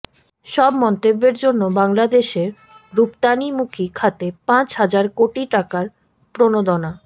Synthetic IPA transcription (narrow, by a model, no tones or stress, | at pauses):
ʃɔbmɔnt̪obːeɾd͡ʑonːobaŋlad̪eʃeɾ | ɾupt̪animukʰikʰat̪epãt͡ɕɦad͡ʑaɾkoʈiʈakaɾ | pɾonod̪ona